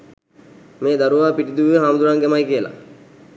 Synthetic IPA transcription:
meːd̪aɾuʋaːpiʈid̪uʋiʋəɦaːmud̪uɾaŋɡemajkiəla̰

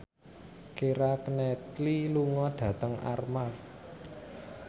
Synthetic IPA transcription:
keɾakənɛkliluŋɔɖ̥ä̤t̪əŋa̰rmar

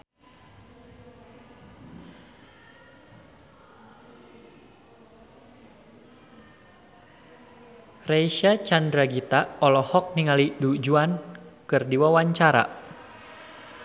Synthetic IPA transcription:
rejʃat͡ʃandɾaɡit̪aɔlɔhɔk̚niŋalidud͡ʒuankɨrdiwawaɲt͡ʃaɾa̰

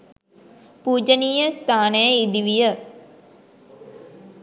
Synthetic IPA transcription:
puːd͡ʒəniːjəst̪aːnəjəid̪iʋijə

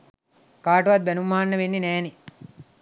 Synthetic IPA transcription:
kaːʈuʋat̪̚bænumːaːnːəʋenːenɛːne

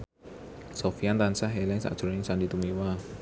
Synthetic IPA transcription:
sofiant̪ansaɦelɛŋsa̰ʔd̥ʒ̥̤nɪŋsandit̪umiwa

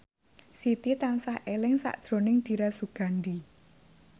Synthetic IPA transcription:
sit̪it̪aŋsahʔelɪŋsa̰ʔd̥ʒ̥ɾo̤nɪŋd̪̥i̤ɾasuɡ̥a̤ɳɖi

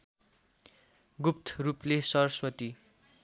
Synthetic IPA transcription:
ɡupt̪ʰruplesʌrʌswʌt̪i

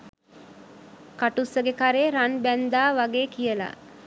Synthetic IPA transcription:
kaʈusəɡekaɾeːɾanbænd̪aːʋaɡeːkijəla̰

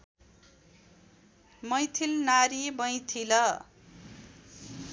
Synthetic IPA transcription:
mʌjt̪ʰilnaɾibʌj̃t̪ʰilʌ

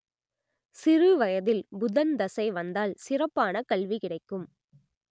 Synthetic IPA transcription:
sɪrɯʋɐjɐðɪlbʊðɐnd̪ɐsɐɪʋɐnd̪aːlsɪrɐpːaːnɐkɐɭʋikɪɽɐɪkːɯm

